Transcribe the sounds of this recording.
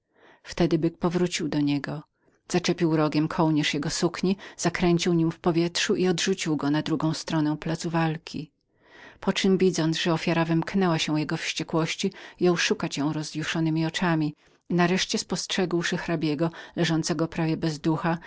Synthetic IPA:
ft̪ɛd̪ɘbɘk̚pɔvɾut͡ɕiwd̪ɔɲɛɡɔ | z̥at͡ʂɛpʲiwɾɔɡʲjɛmkʰɔwɲɛʂjɛɡɔsukɲiz̥akɾɛɲt͡ɕiwɲimfpɔvʲjɛtʂuʔiɔd̪ʐut͡ɕiwɡɔnad̪ɾuɡɔ̃w̃st̪ɾɔnɛw̃plat̪suvalkʲʰi | pɔt͡ʂɘmvʲid̪zɔnt̪zʐɛɔfʲjaɾavɘmknɛwaɕɛjɛɡɔfɕt͡ɕɛkwɔɕt͡ɕijɔ̃wʂukat͡ɕjɔ̃w̃ɾɔzjuʂɔnɘmʲiɔt͡ʂamʲi | naɾɛʂt͡ɕɛspɔstʂɛɡwʂɘxɾabʲjɛɡɔlɛʐɔnt̪sɛɡɔpɾavʲjɛbɛzd̪uxa

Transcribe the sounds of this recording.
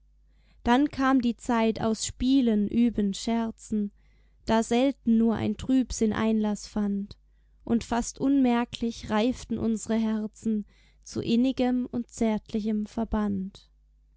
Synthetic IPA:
d̥ankʰaːmdiːt͡saɪta̰ʊsʃpiːlənʔyːbənʃɛɐt͡sn̩ | d̥aːzɛltn̩ːuːɐʔa̰ɪntʁ̥yːpz̥ɪnʔa̰ɪnlasfant | ʔʊntfastʔʊnmɛɐklɪçʁaɪftn̩ʔʊnzəʁəɦɛɐt͡sn̩ | t͡sṵʔɪnɪɡəmʊnt̚t͡sɛːɐtʰlɪçəmfɛɐbant

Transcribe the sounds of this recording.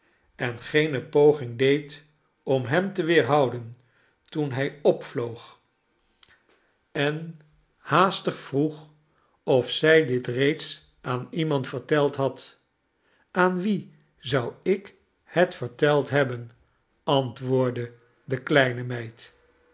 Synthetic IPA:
ɛnχejnəpowχɪŋdejt | ɔmɦɛmtəʋɪːɹɦɑwdən | tunɦɛjɔpflowχ | ɛn | haːstəχfruχ | ɔfsɛjdɪtrejts | aːnimɑntfəɹtɛlˠtɦɑt | aːnʋi | zʌwɪk | hɛtfəɹtɛlˠtɦɛbən | ɑntʋʊːɹdə | dəklɛjnəmɛjt

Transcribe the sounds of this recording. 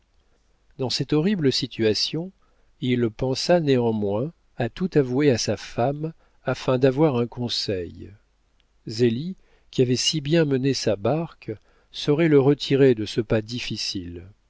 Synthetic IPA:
d̪ɑ̃sɛt̪ɔʁibləsit̪yasjɔ̃ | ilpɑ̃saneɑ̃mwɛ̃ | at̪ut̪avueasafam | afɛ̃d̪avwaʁɛ̃kɔ̃sɛj | zeli | kʲiavɛsibjɛ̃mənesabaʁk | sɔʁɛləʁət̪ʰiʁed̪əsəpad̪ifisil

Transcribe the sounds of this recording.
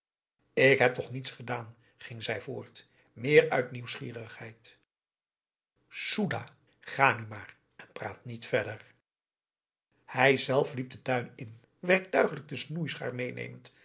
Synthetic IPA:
ɪkɦɛp̚tɔχnitsχədaːn | χɪŋzɛjvʊ̰ːɹt | mɪːɹœɥtniwsχḭːrəχhɛjt | suda̰ː | χaːnymaːr | ɛnpra̰ːtnitfɛɹdəɹ | hɛjzɛlˠflip̚dətœɥnɪn | ʋɛɹk̚tœɥχələɡ̚dəsnujsha̰ːɹmejnḛjmənt

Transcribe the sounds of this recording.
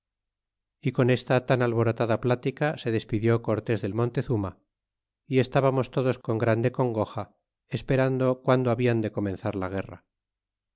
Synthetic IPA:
iko̞ne̞st̪at̪analβo̞ɾot̪aðaplat̪ikase̞ðe̞spiðjo̞ko̞ɾt̪e̞zðe̞lmõ̞nt̪e̞θuma | ie̞st̪aβamo̞st̪o̞ðo̞sko̞ŋɡɾand̪e̞ko̞ŋɡo̞xa | espe̞ɾand̪o̞kwand̪oaβiand̪e̞ko̞mẽ̞nθaɾlaɣ̞e̞ra̰

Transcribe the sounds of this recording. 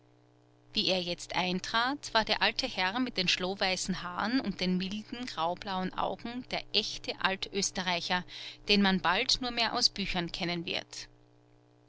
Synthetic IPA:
viːeːɐjɛt͡stʔaɪntʁ̥aːtv̥aːɐdeːɐʔaltʰəhɛʁmɪt̚d̥eːnʃloːvaɪsn̩haːʁənʊnt̚d̥eːnmɪldn̩ɡ̥ʁaʊb̥laʊənʔa̰ʊɡŋ̩d̥eːɐʔɛçtʰəʔa̰ltʰʔøːstəʁaɪçɐd̥eːnmanbaltnuːɐmeːɐʔa̰ʊsb̥yːçɐnkʰɛnənvɪ̰ɐt

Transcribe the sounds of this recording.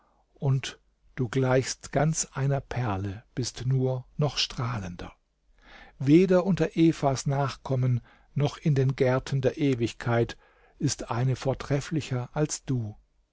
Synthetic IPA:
ʔʊnt | d̥uːɡlaɪçstɡ̥ant͡sʔaɪnɐpʰɛɐləb̥ɪstnuːɐnɔχʃtʁ̥aːləndɐ | veːdɐʔʊntɐʔeːfasnaːχkʰɔmən | nɔχɪndeːnɡɛɐtʰn̩deːɐʔeːvɪçkʰaɪt | ɪstʔaɪnəfoːɐtʁ̥ɛflɪçɐʔalsd̥uː

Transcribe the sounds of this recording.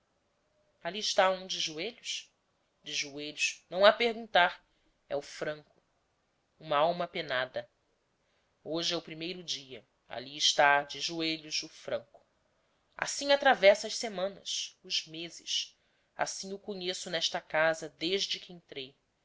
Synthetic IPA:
aliɪʃt̪aũd͡ʒɪʒueʎʊʃ | d͡ʒɪʒueʎʊʃnɐ̃w̃apehɡũnt̪aɾ | ɛʊfɾɐ̃ŋkʊ̥ | ũmɐawmɐpenad̪ɐ | oʒɪɛʊpɾimejɾʊd͡ʒiɐ | a̰liɪʃt̪ad͡ʒɪʒueʎʊzʊfɾɐ̰̃ŋkʊ̥ | a̰sĩŋat̪ɾavɛsɐɐʃsemɐ̃nɐ̰sʊzmezɪ̰s | a̰sĩŋʊkõɲesʊnɛʃt̪ɐkazɐd̪eʒd͡ʒɪkɪẽnt̪ɾej

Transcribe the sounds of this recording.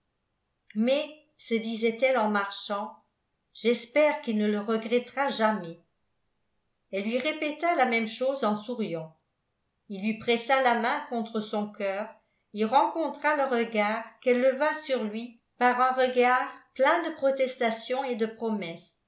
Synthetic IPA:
mɛ | səd̪izɛt̪ɛlɑ̃maʁʃɑ̃ | ʒ̥ɛspɛːʁkilnələʁəɡʁɛt̪ʁaʒamɛ | ɛlːɥiʁepɛt̪alamɛmʃoːzɑ̃suʁjɑ̃ | ilːɥipχɛsalamɛ̃kɔ̃t̪χəsɔ̃kœːʁ | iʁɑ̃kɔ̃t̪χaləʁəɡaːʁkɛlːəvasyʁlɥi | paʁɛ̃ʁəɡaːʁplɛ̃d̪əpχɔt̪ɛst̪asjɔ̃ed̪əpχɔmɛs

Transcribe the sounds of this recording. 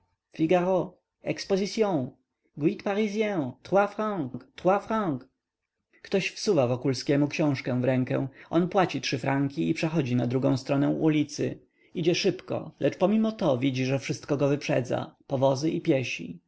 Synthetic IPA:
fʲiɡaʁɔ | ɛ̰kspɔzit̪sʲjɔ̃w̃ | ɡwit̪paɾizʲjɛ̃t̪ʁwafɾãŋkkt̪wafɾãŋk | kt̪ɔɕfsuvavɔkulskʲɛmukɕɔ̃w̃ʂkɛ̃vɾɛŋkɛ̰w̃ʔɔnpwat͡ɕitʂɘfɾaŋkʲiipʂɛxɔd͡ʑinad̪ɾuɡɔ̃w̃st̪ɾɔnɛ̃ʔulʲit̪sɘ̰ | id͡ʑɛʂɘpkɔ̰lʔɛt͡ʂpɔmʲimɔt̪ɔvʲid͡ʑiʐɛfʂɘst̪̚kɔɡɔvɘpʂɛ̰d̪za̰pɔvɔzɘʔipʲjeɕḭ

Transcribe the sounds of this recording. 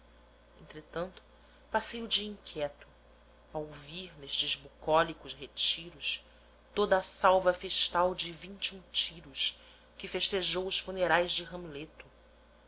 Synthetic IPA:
ẽnt̪ɾet̪ɐ̃nt̪ʊ̥ | pasejʊd͡ʒiɐĩŋkʲʰjɛt̪ʊ̥ | awoviɾneʃt͡ʃɪzbukɔlikʊzɦet͡ʃiɾʊʃ | t̪od̪ɐːsawvɐfeʃt̪awd͡ʒɪvĩnt͡ʃiũt͡ʃiɾʊʃ | kɪfeʃt̪eʒowʊsfuneɾajzd͡ʒɪɦɐ̃mlet̪ʊ

